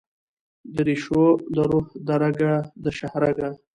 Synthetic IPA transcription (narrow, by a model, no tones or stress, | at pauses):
d̪əɾiʃod̪əɾuhd̪aɾaɡad̪əʃahɾaɡa